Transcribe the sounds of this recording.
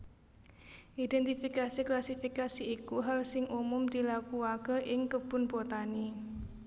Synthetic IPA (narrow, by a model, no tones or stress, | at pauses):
ʔid̪ɛnt̪ifikasiklasifikasiːkuɦalsɪŋʔumʊmd̪̥ilakuakəʔɪŋkəb̥ʊ̤nbot̪ani